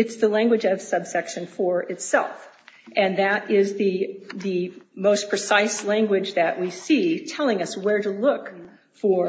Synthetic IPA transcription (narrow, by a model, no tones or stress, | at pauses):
ɨtsðɨlæ̃ŋɡwɨd͡ʒʌv̥sʌb̥sɛkʃɨ̃nfə˞ʔɨtsɛ̰lˠf | ʔɨ̃nðɨɾɪzðɨðɨmoʊspʰɹ̥ɨsaɪslæ̃ŋɡwɨd͡ʒðɨʔwisitʰɛlˠɪ̃ŋʌswə˞ɾəlʊk | fə˞